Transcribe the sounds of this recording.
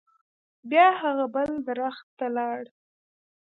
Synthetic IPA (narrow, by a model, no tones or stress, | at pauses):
bjɑhaɣabəld̪ɾaxt̪ːalɑɽ